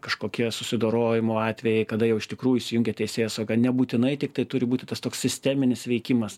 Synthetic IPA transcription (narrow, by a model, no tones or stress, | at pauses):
kɐʃkoːkʲiɛsʊsʲɪd̪oːɾoːjɪmoːɑːt̪ʲʋʲɛjɛɪkɐd̪ɐjɛʊɪʃt̪ʲɪkɾuːjuʊiːsʲɪjʊŋʲɡʲɛt̪ʲɛɪsʲeːjosɐɡɐnʲɛbuːt̪ʲɪnɐɪt̪ʲɪk̚t̪ɐɪt̪ʊɾʲɪbuːt̪ʲɪt̪ɐst̪oːkssʲɪsʲt̪ʲɛːmʲɪnʲɪsʋʲɛɪkʲɪmɐs